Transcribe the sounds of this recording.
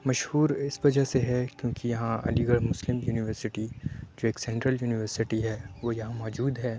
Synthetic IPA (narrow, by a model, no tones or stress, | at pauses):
mɐʃhuːɾɪsʋɐd͡ʒaɦseɦɛkjõːkijɐɦãʔɐ̰liɡəɽmʊslɪmjuːnɪʋəɾsɪʈid͡ʒoːeːksɛ̃ɳʈɾəljuːnɪʋəɾsɪʈiɦɛːʋojɐɦãmɔːd͡ʒuːd̪ɦɛː